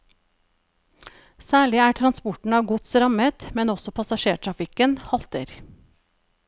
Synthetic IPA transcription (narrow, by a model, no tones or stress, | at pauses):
sæːɭɪæːʈʰɾɑnspɔʈɳ̩ɑːʋɡʊt̪sɾɑmət̪mɛnɔsɔpʰɑsɑʃeːʈʰɾɑfɪkənhɑlt̪ə̰ɾ